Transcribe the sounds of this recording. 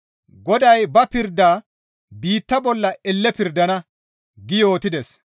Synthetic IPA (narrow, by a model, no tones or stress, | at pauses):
ɡɔd̪ɐjbɐpɪɾd̪aː | biːt̪ːɐbɔlːɐɛlːɛpɪɾd̪ɐnɐ | ɡɪjo̞ːt̪ɪd̪ɛs